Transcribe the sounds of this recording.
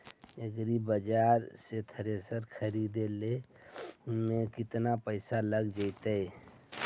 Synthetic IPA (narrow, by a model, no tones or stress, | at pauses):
əɡɾibəd͡ʒaɾset̪ʰəɾesəɾkʰəɾid̪ele | mekɪt̪napəɪsaləɡd͡ʒəjt̪əj